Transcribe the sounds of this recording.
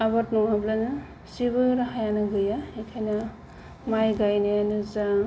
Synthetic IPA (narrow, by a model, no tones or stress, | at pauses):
abatnɔŋablanɯ | sibɯɾaɦajanɯɡɯjaekʰajna | majɡajnejanɯza